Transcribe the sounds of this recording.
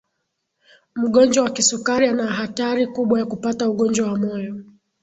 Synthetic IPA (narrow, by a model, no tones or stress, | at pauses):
m̩ɠɔnd͡ʒwawakisukaɾianaɦataɾikuɓwajakupatauɠɔnd͡ʒwawamɔjɔ